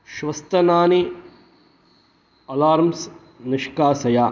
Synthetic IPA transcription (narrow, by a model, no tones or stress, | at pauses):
ʃʋɐst̪ɐnaːni | ɐlaːɾms | nɐʃkaːsɐjaː